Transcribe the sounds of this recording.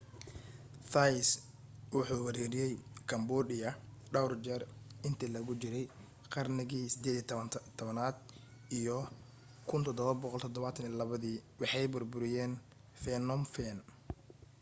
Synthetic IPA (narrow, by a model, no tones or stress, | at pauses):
fajs | wʊħuːwɐɾɛɾɪjɛjkʰɐmbɔːdɪɐɖɐwrd͡ʒɛrɪnt̪ʰɪlɐɣʊt͡ʃɪɾɛj | qɑrnɪɣiːsɪd̪ɛːðit̪ʰɔβɐnaːd̪ | ijɔ | kʰʊnt̪ʰɔd̪ɔβɐbɔqɔlt̪ʰɔd̪ɔβaːt̪ʰɐnijɐlɐβɐðiːwɑħɑjbʊrbʊɾɪjɛːn | fɛnɔmfɛn